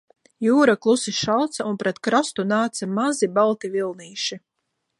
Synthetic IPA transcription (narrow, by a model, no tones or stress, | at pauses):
juːɾaklˠusiʃalt̪saunpɾɛt̪kɾast̪unaːt̪samazibalˠt̪ivilˠniːʃi